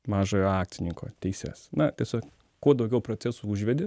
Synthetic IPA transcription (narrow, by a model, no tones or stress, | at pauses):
mɑːʒoːjoːɑːk̚t̪sʲɪnʲɪŋko̰ːt̪ʲɛɪsʲɛ̰snɐt̪ʲiɛsʲoːk | kuɔd̪ɐʊɡʲɛʊpɾoːt͡s̪ʲæsuːʊʒʲʋʲɛd̪ʲɪ